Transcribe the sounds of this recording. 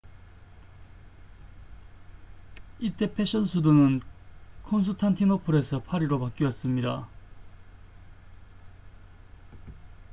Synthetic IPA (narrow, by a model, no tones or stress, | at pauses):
it͈e̞pʰe̞ɕ͈ʌnsʰudunɯnkʰons̬ʰuɭtʰant̪ʰinopʰuɾe̞sʰʌpʰaɾiɾopak͈iʌs͈ɯmɲida